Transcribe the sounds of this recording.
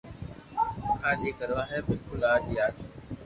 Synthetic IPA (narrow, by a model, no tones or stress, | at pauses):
kʰaːd͡ʑiːkəɾʋaːɦeːbɪlkʊlaːd͡ʑiːaːt͡ʃʰː